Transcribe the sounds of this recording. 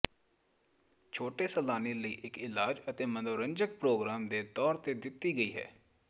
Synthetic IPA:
t͡ʃʰoːʈeːsəlaːneːləiːʔɪkɪlaːd͡ʒət̪eːmənd̪oːɾəɲd͡ʒək̚pɾoːɡɾaːmd̪eːt̪ɔːɾt̪eːd̪ɪt̪ːiːɡəiːɦɛ̰ː

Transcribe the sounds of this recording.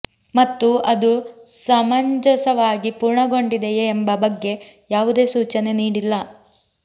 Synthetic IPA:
mɐt̪ːuʔɐd̪usɐmɐɲd͡ʒɐsɐʋaːɡipuːɾɳɐɡo̞ɳɖid̪ejeːmbɐbɐɡːe̞jaːʋud̪e̞ːsuːt͡ʃɐne̞niːɽilːɐ

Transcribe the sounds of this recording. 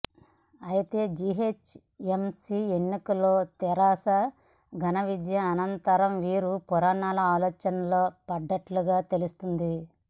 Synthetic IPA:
ɐjit̪e̞ːd͡ʒiɦeːt͡ʃ | emsienːikɐlːoːt̪ɛɾaːsɐ | ɡʱɐnɐʋid͡ʒjɐmɐnɐnt̪ɐɾɐmʋiːɾupuɾaːɳaːlɐaːlɔːt͡ʃɐnɐloːpɐɖːɐʈluɡaːt̪e̞lust̪und̪i

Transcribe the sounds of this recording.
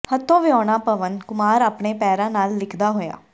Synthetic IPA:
hət̪ʰːõːʋɪɔːɽ̃aːpəʋənkʊmaːɾaːpɳeːpɛːɾãːnaːlːɪkʰd̪aːɦoːja̰ː

